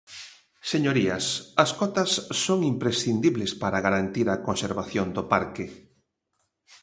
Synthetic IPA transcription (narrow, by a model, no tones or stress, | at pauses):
seɲoɾiɐsɐskɔt̪ɐsːoŋimpɾesθind̪iβlespaɾaɣaɾant̪iɾɐkonseɾβaθjond̪opaɾkɪ